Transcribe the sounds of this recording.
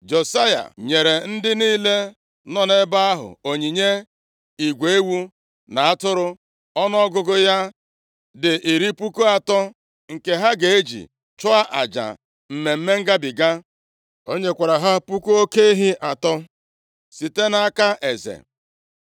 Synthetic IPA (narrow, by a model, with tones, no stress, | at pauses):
d͡ʒo˨sa˦ja̰˨ɲe˨ɾe˨n̩˦dɪ˦niː˦le˦ | nɔ˦ne˦ba˦a˦ɦʊ̰˨o˨ɲi˨ɲe˦ | i˨ɡʷe˨e˦wu˦ | na˨a˦tʊ˦ɾʊ˦ | ɔ˦n˦ɔ˦ɡʊ˦ɡʊ˦ja˦ | dɪ˨ʔi˨ɾi˦pu˦ku˦a˨tɔ˦ | ŋ̩˨ke˨ɦa˦ɡe˨e˦d͡ʒḭ˨ | t͡ʃʊ˦a˦ʔa̰˨d͡ʒa̰˨ | m̩˨me˨m̩˦me˦ŋ̩˦ɡa˦bi˨ɡa˦ | o˦ɲe˦kʷa˨ɾa˨ɦa˦pu˦ku˦o˦ke˦i˦ɦi˦ʔa˨tɔ˦ | si˨te˦na˦a˦ka˦ʔe˨zḛ˨